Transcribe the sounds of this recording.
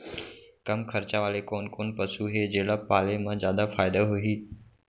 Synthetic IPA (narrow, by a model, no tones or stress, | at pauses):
kɐmkʰəɾt͡ʃaʋaːlekoːnkoːnpəsuːɦeːd͡ʑeːɽapaːlemãzjaːd̪afaːɪd̪aɦʊɦiː